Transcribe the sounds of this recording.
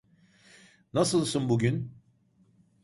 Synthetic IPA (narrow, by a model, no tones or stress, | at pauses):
nasɯlˠsunbuɟyn